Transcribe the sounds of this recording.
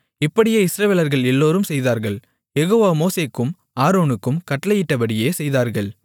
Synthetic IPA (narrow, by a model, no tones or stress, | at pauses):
ɪpːɐɽɪjeɪsɾɐʋeːlɐɾɣɐɭɛlːoːɾɯmsɛjðaːɾɣɐɭ | jɛɣoːʋaːmoːseːkːɯm | aːɾoːnɯkːɯmkɐʈːɐlɐjɪʈːɐpɐɽɪjeːsɛjðaːɾɣɐɭ